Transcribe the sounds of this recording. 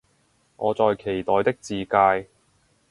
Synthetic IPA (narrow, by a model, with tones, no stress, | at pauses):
ʔɔː˨˧t͡sɔː˨jkʰe˨˩jt̪ɔː˨˧jt̪ɪ˥k̚t͡siː˨kaː˧j